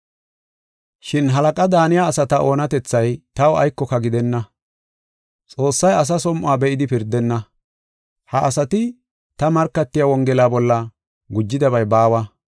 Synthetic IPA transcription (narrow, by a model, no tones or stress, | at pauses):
ʃɪnɦɐlɐkʼɐd̪aːnɪjaːsɐt̪ɐʔo̞ːnɐt̪ɛt͡sːɐjt̪ɐwɐ̰jkːɔkɐɡɪd̪ɛnːɐ | t͡sʼo̞ːsːɐjɐs̬ɐsɔmʔaːbɛʔɪd̪ɪpɪɾd̪ːɛnːɐ | hɐʔːsɐt̪ɪ | t̪ɐmɐɾkːɐt̪ːɪjawɔŋɡɛlaːbɔlːɐ | ɡʊd͡ʒːɪd̪ɐbɐjbaːwɐ